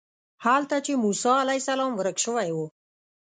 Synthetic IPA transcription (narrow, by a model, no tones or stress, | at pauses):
halt̪at͡ʃemusɑalajsalɑmwəɾəkʃəwajwu